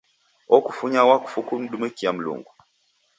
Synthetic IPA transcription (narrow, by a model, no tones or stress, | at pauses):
ɔkufuɲawaku̥fukun̩ɗumekiam̩lṵŋɡu